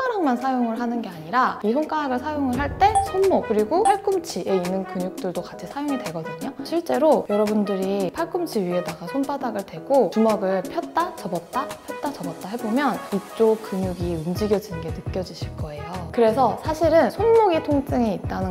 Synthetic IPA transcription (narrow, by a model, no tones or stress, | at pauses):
ʌɾaŋmansʰajoŋɯɭɦanɯnɡe̞aɲiɾaisʰoŋk͈aaɡɯɭsʰajoŋɯɭɦaɭt͈e̞sʰonmokkɯɾiɡopʰaɭk͈ɯmt͡ɕʰiʔe̞inːɯnkɯɲuk̚t͈ɯɭdokat͡ɕʰisʰajoŋidwe̞ɡʌdɯɲoɕʰiɭt͡ɕ͈e̞ɾojʌɾʌbundɯɾipʰaɭk͈ɯmt͡ɕʰiɥie̞daɡasʰonpadaɡɯɭdwe̞ɡot͡ɕumʌɡɯɭpʰjʌt̚t͈at͡ɕʌbʌt̚t͈apʰjʌt̚t͈at͡ɕʌbʌt̚t͈aɦe̞bomjʌnit͡ɕ͈okɯɲuɡiumd͡ʑiɡjʌd͡ʑinnɡe̞nɯk͈jʌd͡ʑuɕʰiɭk͈ʌe̞jokɯɾe̞sʰʌsʰaɕʰiɾɯnsʰonmoɡitʰoŋs͈ɯŋiit͈̚anɯ